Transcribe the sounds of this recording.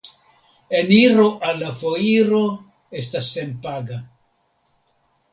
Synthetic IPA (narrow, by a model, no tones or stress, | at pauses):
e̞niɾo̞ʔalːafo̞iɾo̞ | e̞stasːe̞npaɡa